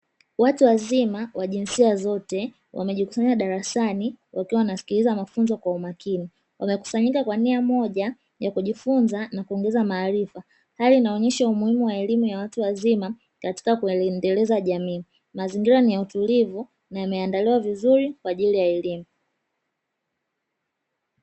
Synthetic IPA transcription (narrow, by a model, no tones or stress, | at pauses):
watuwazimawaʄinsiazɔtɛ | wʔa̰mɛʄiku̥saɲaɗaɾasaniwʔakiwawnasi̥kilizamafunzɔkwaumakini | wʔamɛku̥saɲikakwaniamɔʄa | jakuʄifunzanakuɔŋɡɛzamaːɾifa | halinaɔɲɛʃaumuhimuwaɛlimujawatuwazima | kati̥kakuɛndɛlɛzaʄamiː | maziŋɡiɾanijautulivu | najamɛandaliwavizuɾikwaʄilijaɛlimu